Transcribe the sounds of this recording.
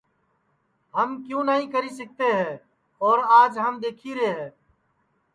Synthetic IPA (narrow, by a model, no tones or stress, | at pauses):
ɦəmkjũːnəɦĩkəɾisək̚t̪eɦɛ̃ː | ɔːɾaːd͡ʒɦəmd̪eːkʰiːɾeːɦɛ̃ː